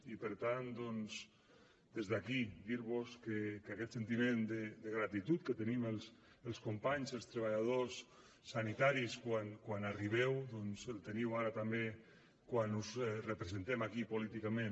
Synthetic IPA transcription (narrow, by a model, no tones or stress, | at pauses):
ipəɾt̪and̪ɔnz | d̪ezðakid̪iɾβoskekakɛt̪sent̪imend̪əd̪əɣ̞ɾat̪it̪ut̪̚kət̪əniməlˠs | əlˠskompaɲzəlˠst̪ɾəβ̞aʎað̞osː | anit̪aɾiskwankwanariβ̞ɛwd̪ɔnzelt̪eniwaɾat̪ambe | kwanuzɛrəpɾezent̪ɛmakipolit̪ikamẽn